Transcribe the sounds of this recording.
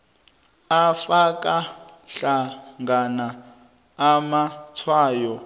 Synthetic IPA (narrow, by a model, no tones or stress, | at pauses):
afakʼaɬaŋɡanaː | mat͡sʰwaːjɔ